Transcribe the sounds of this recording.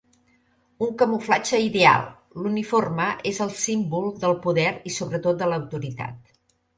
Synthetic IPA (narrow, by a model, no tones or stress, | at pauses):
uŋkəmuflat͡ʃəiðea̰lˠ | luniforməʔezəlˠsimbulˠd̪əlˠpuðɛɾisoβɾət̪ot̪̚d̪ələwt̪uɾit̪a̰t̪̚